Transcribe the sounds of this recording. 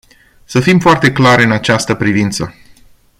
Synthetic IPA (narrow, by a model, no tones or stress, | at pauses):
səfimfoart̪e̞klaɾʲɨnat͡ʃast̪əpɾivint̪sə